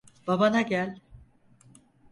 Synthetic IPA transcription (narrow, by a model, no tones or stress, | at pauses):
b̥abanaɟælʲ